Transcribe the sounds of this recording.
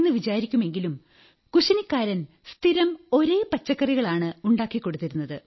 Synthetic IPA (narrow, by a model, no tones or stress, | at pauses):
nːɨʋid͡ʑaːɾikʲːume̞ŋɡilum | kuɕɐnikːaːɾɐn | st̪ʰiɾɐmo̞ɾe̞ːpɐt͡ɕːɐkːɐriɣɐɭaːɳɨuɳɖaːkːikːo̞ɽut̪ːiɾunːɐðɨ